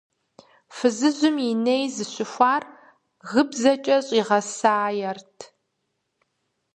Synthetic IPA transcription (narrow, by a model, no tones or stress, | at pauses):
fɨzɨzʷʊminejzɨɕʊxʷɑːr | ɣɨbzɐt͡ʃʼɐɕʼiʁɐsaːjɛrtʰ